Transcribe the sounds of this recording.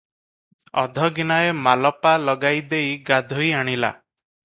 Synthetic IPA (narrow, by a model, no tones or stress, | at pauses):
ɔ̰d̪ʱɔɡinaemalɔpalɔɡajd̪ejɡad̪ʱɔjaɽ̃ila̰